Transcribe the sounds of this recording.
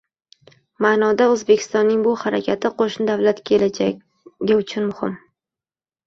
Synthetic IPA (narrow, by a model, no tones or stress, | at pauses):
manɒd̪aɵzbekʲʰɪ̥st̪ɒnːɪŋbʊhaɾa̰kʲʰat̪ʰɪqʰoʃnɪd̪avlat̪kʲʰe̞lad͡ʒa | ɡʲaʊt͡ʃʰʊnmʊhɪ̰m